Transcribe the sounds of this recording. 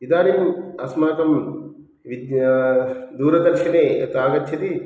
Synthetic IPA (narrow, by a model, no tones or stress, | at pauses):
id̪aːnimɐsmaːk̪ɐm | ʋid̪ | d̪uːɾɐd̪ɐɾʃineɐt̪ːaːɡɐt̪ʰjɐt̪i